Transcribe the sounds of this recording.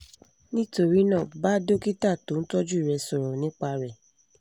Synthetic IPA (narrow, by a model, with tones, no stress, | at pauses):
nĩ˦to˦˨ɾi˨˦nãː˦˨ba˦do˦ki˦ta˦˨to˨˦n̩˦tɔ˦d͡ʒu˦i˨ɾɛ˧sɔ˨ɾɔ˨nĩ˦k͡pa˧ɾɛ˨